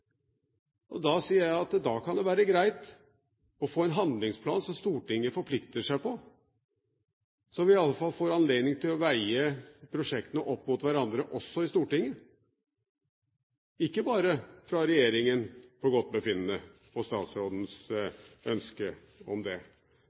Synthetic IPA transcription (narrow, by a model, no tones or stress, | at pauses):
ʔɔd̪ɑsiːəɾjæɪɑt̪d̪ɑkʰɑnd̪ɛʋæːɾəɡɾæɪt̪ | ɔfoːɛnɦɑnd̪lɪŋspʰlɑːnsɔmst̪uːʈɪŋːəfɔɾpʰlɪkt̪əʂæɪpɔ | sɔʋɪɑlːəfɑlfoːɾɑnleːd̪nɪŋt̪ʰɪlɔʋæɪəpʰɾʊʂɛkt̪ənəʔɔpːmʊt̪ʋæɾɑnd̪ɾəʔɔsːɔɪst̪uːʈɪŋːə | ɪkːəbɑːɾəfɾɑɾɛjeːɾɪŋənpɔɡɔt̪̚ːbəfɪnːənəpʰɔst̪ɑ̰ːt̪sɾoːd̪n̩s | œnskə | ɔ̰md̪ɛ